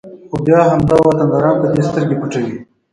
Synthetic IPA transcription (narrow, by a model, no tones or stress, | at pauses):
xobjaːɦɐmd̪awɐt̪ɐnd̪aːɾɑːnpɐd̪eːst̪ɐɾɡepuʈɐwiː